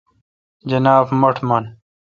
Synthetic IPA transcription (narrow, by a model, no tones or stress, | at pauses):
d͡ʑɐnaːbmɐʈʰmɐn